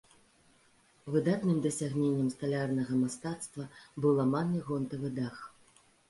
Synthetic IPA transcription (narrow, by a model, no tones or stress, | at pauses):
vɨd̪at̪nɨmd̪ɐsʲaɣnʲenʲːɐmst̪alʲarnɐɣɐmast̪at̪st̪vɐbɨwlˠamanɨɣɔnt̪ɐvɨd̪ax